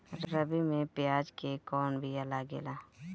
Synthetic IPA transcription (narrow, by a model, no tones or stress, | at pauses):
ɾəbimẽpɪjaːd͡ʒkekɔːnbʱiəlaɡḛːlaː